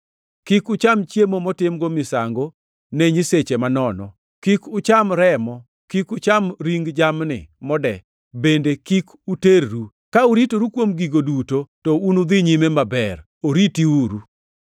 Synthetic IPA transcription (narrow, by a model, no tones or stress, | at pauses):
kikʊt͡ʃamt͡ʃjemomɔtɪmɡomɪsaŋɡo | neɲiset͡ʃemanɔnɔ̰ | kikʊt͡ʃamɾɛmɔ | kikʊt͡ʃamɾiŋɡd͡ʒamnɪ̰mɔdɛ | bendekik | uteɾɾu | kauɾitoɾukwomɡiɡodutotɔunud̪iɲimemabɛɾ | oɾitiuɾu